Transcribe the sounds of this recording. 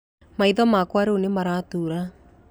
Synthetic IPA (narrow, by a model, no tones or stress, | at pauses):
maiðɔmakwaɾeonemaɾatuɾa